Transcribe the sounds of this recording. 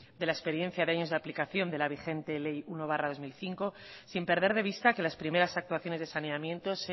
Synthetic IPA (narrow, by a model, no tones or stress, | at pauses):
d̪e̞laespe̞ɾje̞n̟θjaðeaɲo̞zðaplikaθjo̞nd̪elaβ̞ixe̞nt̪e̞le̞juno̞βaraðo̞zmilθiŋko̞simpe̞ɾðe̞ɾðe̞βist̪ake̞laspɾime̞ɾasak̚t̪waθjo̞ne̞zðe̞sane̞amje̞nt̪o̞se